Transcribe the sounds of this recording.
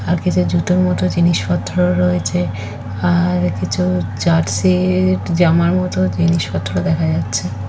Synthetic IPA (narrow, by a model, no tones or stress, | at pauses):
aɾkit͡ɕʰud͡ʑut̪oɾmɔt̪od͡ʑiniʃpɔt̪ʰːoɾoɾoet͡ɕʰe | aɾkit͡ɕʰud͡ʑaʈsiɾd͡ʑamaɾmɔt̪od͡ʑiniʃpɔt̪ʰːoɾod̪ɛkʰad͡ʑatːɕʰe